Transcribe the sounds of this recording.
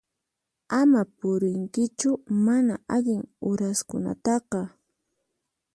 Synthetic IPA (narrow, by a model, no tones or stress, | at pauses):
amapʊɾɪŋkɪt͡ʃʊmanaʔaʎɪŋʊɾaskʊna̰t̪ɑqɑ